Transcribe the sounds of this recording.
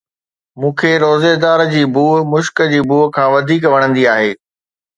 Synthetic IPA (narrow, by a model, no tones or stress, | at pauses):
mũːkʰeɾoːzed̪aːɾd͡ʑiːbʱuːmʊʃkəd͡ʑiːbʱuːɦkʰãːʋɐd̪ʱiːkʋɐɽ̃ə̃nd̪iaːɦeː